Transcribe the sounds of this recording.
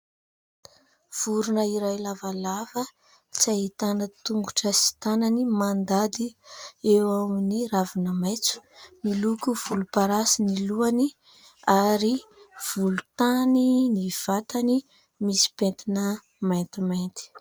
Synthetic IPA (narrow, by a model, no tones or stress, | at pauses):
v̥uɾunəiɾajlavalavə | t͡sait̪anət̪uŋɡuʈ͡ʂəsi̥t̪ananimand̪ad̪iewaminiɾavinəmajt͡su̥nilukuv̥ulupaɾasiniluani | aɾiv̥ulut̪aniniv̥at̪ani | misi̥pent̪inə | majnt̪imajnt̪i̥